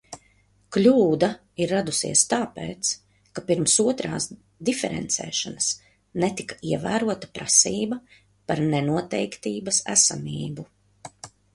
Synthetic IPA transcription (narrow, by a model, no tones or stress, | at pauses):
klʲuːd̪a | iɾːad̪usḭɛst̪aːpḛːt̪s | kapiɾmsuɔt̪ɾa̰ːs | d̪ifɛɾɛ̰nt̪sɛ̰ːʃanɐs | nɛt̪ikḁiɛvæːɾuɔt̪ḁpɾa̰siːbɐ | paɾnɛnuɔt̪ɛjkt̪iːbɐsæ̰samiːbu